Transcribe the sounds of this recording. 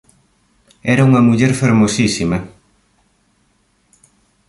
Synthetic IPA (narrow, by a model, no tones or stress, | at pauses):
ɛɾɐuŋɐmuʎɛɾfeɾmosisimɐ